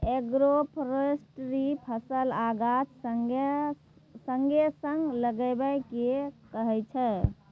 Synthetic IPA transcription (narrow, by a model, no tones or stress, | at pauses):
eɡɾopʰɾəsʈɾipʰəsəlaɡat̪səŋ | səŋɡesəŋɡləɡɛbɛkekəɦɛt͡ʃʰɛ